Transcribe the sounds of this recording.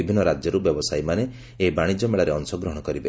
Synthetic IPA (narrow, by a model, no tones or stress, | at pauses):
ibʱinːɔɾad͡ʒjɔɾubjɔbɔsajmane | ebaɽ̃id͡ʒɔmeɭaɾeɔŋsɔɡɾɔɦɔɽ̃ɔkɔɾibe